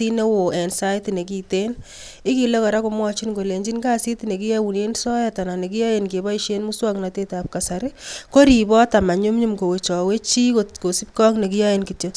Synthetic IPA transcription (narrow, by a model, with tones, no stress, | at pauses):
i˦ne˦wo˨ɛ˨nsa˦jtine˨k̬i˨te˦n | ɪ˦ki˨le˦ka˨ɾa˦ko˨mwɔ˦t͡ʃi˦nɡo˨le˨ɲd͡ʒi˦nka˦si˦tine˨ki˦jɛ˦u˨ne˦nsɔ˦ja˦ta˨na˨ne˨k̬i˦ja˦je˨nke˨ba˦i˦ʃe˦nmu˦swa˦kna˨te˦ta˨p̚ka˨sa˨ɾɪ˦ko˦ɾi˨bɔ˦ta˨ma˨ɲu˦mɲu˦mko˨we˨t͡ʃɔ˨we˦t͡ʃi˦ko˨ko˨si˦p̚kɔ˦kne˨ki˦ja˦je˨nki˨t͡ʃe˨